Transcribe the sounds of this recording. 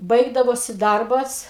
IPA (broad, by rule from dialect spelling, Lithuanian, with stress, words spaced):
ˈbɐɪɡdɐʋoːsʲɪ ˈdɐrbɐs